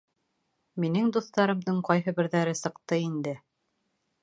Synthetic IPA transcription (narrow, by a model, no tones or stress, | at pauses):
minɘŋd̪uθt̪ɑɾɤ̆md̪ɤɴqɑjɦɤbɘ̆ɾðæɾɘsɤ̆qt̪ɤind̪ɘ